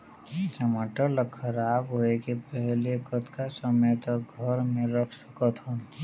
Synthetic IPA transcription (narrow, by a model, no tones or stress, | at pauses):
t͡ʃəmaːʈələkʰəɾaːbɦoekepɛɦlekət̪kasəməjt̪əɡʱəɾmẽɾəpʰsə̥kət̪ʰɦõ